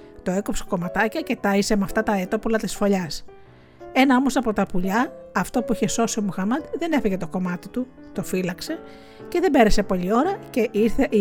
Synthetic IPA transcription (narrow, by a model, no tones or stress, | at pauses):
t̪o̞e̞kopseko̞mɐt̪ɐcɐce̞t̪ɐisemɐft̪ɐt̪ɐet̪o̞pulɐt̪isfo̞ʎɐs | e̞nɐo̞mo̞sɐpo̞t̪ɐpuʎɐːft̪o̞puiçe̞so̞sio̞muxɐmɐd̪ðe̞ne̞feʝe̞t̪o̞ko̞mɐt̪it̪u | t̪o̞filɐkse̞ | ce̞ðe̞be̞ɾe̞se̞po̞ʎio̞ɾɐce̞ʔiɾθe